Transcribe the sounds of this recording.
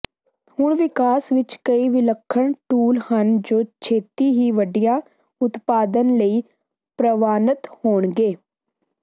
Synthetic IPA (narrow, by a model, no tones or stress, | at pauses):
hʊɳʋɪkaːsʋɪt͡ʃkəiːʋɪləkʰːəɳʈuːlhənd͡ʒoːt͡ʃʰeːt̪iːɦiːʋəɖijãː | ʊt̪paːd̪ənləiː | pɾəʋaːnət̪hoːɳɡeː